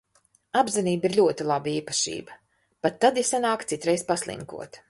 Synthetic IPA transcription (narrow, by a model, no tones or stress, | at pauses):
abziniːbiɾʎʲuɔt̪ilˠabaiːpḁʃḭːbɐ | pat̪ːad̪isanaːkt̪sit̪ɾɛjspaslˠḭŋkṵɔt̪